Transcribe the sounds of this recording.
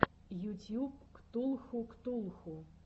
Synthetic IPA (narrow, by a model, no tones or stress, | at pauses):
jutʲjupkt̪ulˠxukt̪ulˠxu